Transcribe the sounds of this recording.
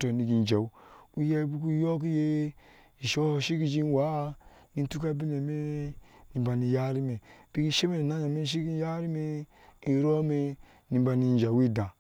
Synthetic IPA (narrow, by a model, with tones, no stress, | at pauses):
to˨ni˨ɡi˨n˨d͡ʒa˨u˦u˦je˦bu˦ku˦jo˦k̬je˦ | i˨ʃo˦hʃi˦ki˦d͡ʒi˦n˦wa˦˨ | ni˦tu˦ka˦bi˦ne˨me˦ni˨ba˨ni˨ja˦ɾi˦me˨b̥i˦ɡi˦ʃe˦me˨na˦na˨me˦ʃ̬i˦ki˦ja˦ɾi˦me˦ | i˨ɾo˦me˦ | ni˨m˦ba˨ni˨n˨d͡ʒa˨wi˦˨dã˨